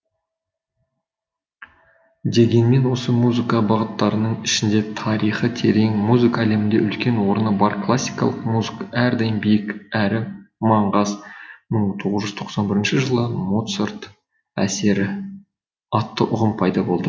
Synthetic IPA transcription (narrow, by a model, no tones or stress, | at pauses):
d̪e̞ɡʲe̞nme̞nwo̞səmuzɨkɑbɑʁət̪ːɑɾənəɴɪʃɪnd̪e̞t̪ʰɑɾijχət̪ʰe̞ɾe̞ŋmuzɨkaːle̞mɪnd̪eʔʏlkʲe̞nwo̞ɾənəbɑɾklˠasʲːijkɑ̰lˠəqmuzɨkaæɾd̪ɑjənbijɪkæɾɪmɑɴʁɑzməɴt̪ʰo̞ʁəzʒʏzt̪ʰo̞qsɑnbɪɾɪnʃɪʒəlˠəmot̪soɾt̪ | æ̰se̞ɾɪ | ɑt̪ːəʔʊʁəmpʰɑjd̪ɑbo̞lˠd̪ə